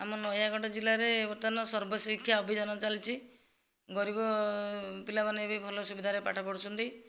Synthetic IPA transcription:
amɔnɔjaɡɔʈɔd͡ʒilaɾebɔɾt̪anɔsɔɾbɔsikʰjaɔbʱid͡ʒanɔt͡ʃalit͡ʃʰi | ɡɔɾibɔ | pilabanebibʱɔlɔsubid̪ʱaɾepaʈʰɔpɔɽusunt̪i

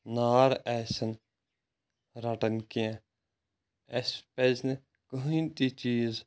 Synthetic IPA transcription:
naːɾɛːsɐn | ɾɐʈənkijã | espezn | kəɦĩːnt̪it͡ʃiːz

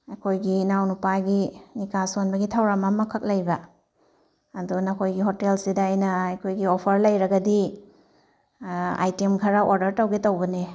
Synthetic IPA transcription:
ɐkʰojɡinawnupaɡinikasonbɐɡitʰawɾamamɐkʰɐk̚lɐjbɐ | ɐdunɐkʰojɡiɦotelsidaajnɐɐjkʰojɡiopʰɐɾlɐjɾɐɡɐdi | a̰jtemkʰɐɾaʔoɾdɐɾtawɡetɐwbɐne

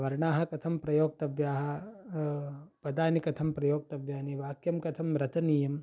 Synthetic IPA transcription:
ʋɐɾɳaːɦɐ̆kɐt̪ʰɐmpɾɐjoːɡ̚t̪ɐʋjaːɦɐ̆ | pɐd̪aːnikɐt̪ʰɐmpɾɐjoːɡ̚t̪ɐʋjaːniʋaːkjɐmkɐt̪ʰɐmɾɐt͡ʃɐniːjɐm

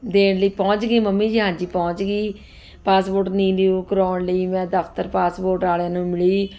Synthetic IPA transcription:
d̪eːɳləiːpɔ̃ːʊt͡ʃɡeːməmːiːd͡ʒəɦãːd͡ʒiːpɔːt͡ʃɡiː | paːsboːʈnĩːleoːkəɾoːɳləiːmɛ̃ːd̪əft̪əɾpaːsboːɾʈaːlãːnũːmɪɭiː

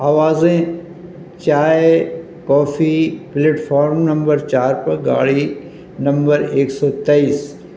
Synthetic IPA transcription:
aːʋaːzẽ | t͡ʃaːe | kɔːfʰipleːʈfɔːɾmnɐ̃mbəɾt͡ʃaːɾpɐɾɡa̰ːɭi | nɐ̃mbəɾeːksɔːt̪eiːs

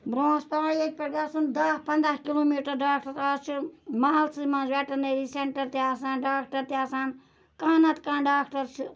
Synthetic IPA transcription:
bɾõːspaːɽiek̚ʲpɐɡ̪aːsund̪ɐhpɐnd̪ɾaːhkiloːmiːʈɐɾɖaːk̚ʈɐɾaːst͡ʃʰumaːlt̪sɨmãːnzʋɛʈɐneːɾiseɳʈɐɾt̪eaːsãːnɖaːkʈɐɾt̪eaːsaːn | kaːnɐt̪kãːnɖaːkʈɐɾt͡ʃʰu

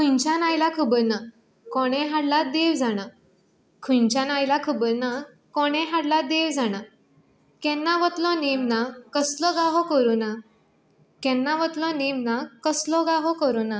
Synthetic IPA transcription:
kʰuɲt͡ɕanajlakʰəbəɾna | kɔɽ̃ɛ̃ɦaɽlad̪eʋd͡zaɽ̃a | kʰuɲt͡ɕanajlakʰəbəɾna | kɔɽ̃ɛ̃ɦaɽlad̪eʋd͡zaɽ̃a | kɛ̃nːaʋət̪lɔnemnakəslɔɡaɦɔkəɾuna | kɛ̃nːaʋət̪lɔnemnakəslɔɡaɦɔkəɾuna

